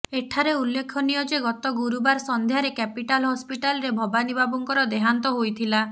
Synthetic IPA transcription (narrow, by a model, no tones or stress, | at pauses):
eʈʰaɾeulːekʰɔnijɔd͡ʒeɡɔt̪ɔɡuɾubaɾsɔnd̪ʱjaɾekɛpiʈalɦɔspiʈalɔɾebʱɔbanibʱabɔŋkɔɾɔd̪eɦant̪ɔɦojt̪ʰila